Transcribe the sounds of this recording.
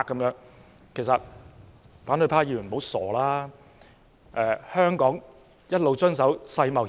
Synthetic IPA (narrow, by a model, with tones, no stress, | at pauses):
kːɐ˨˦˥mjœː˨˥ŋ | kʰe˨˩jsɐ˨t̚ | faː˨˥nt̪ɵ˧jpʰaː˧jiː˨˩ɥy˨˩˨o˨˥wsɔː˨˩laː˥ | ʔɛː˨˧hœː˥ŋkɔː˨˥ŋ | jɐ˥t̚lo˨wt͡sɵ˥ns̬ɐ˨˥wsɐ˧jmɐ˨w